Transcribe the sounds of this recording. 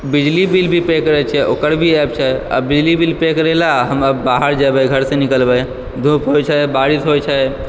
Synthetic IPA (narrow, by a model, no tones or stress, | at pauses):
bid͡ʒlibilbʱipekɾɛt͡ʃʰɛʔokəɾbʱiɛp̚t͡ʃʰɛa̰bid͡ʒlibilpekɾɛlaɦəməbːaɦəɾd͡ʒabɛɡʱəɾsẽnikəlbɛj | d̪ʱũpɦojt͡ʃʰɛbaɾit̪ɦojt͡ʃʰɛ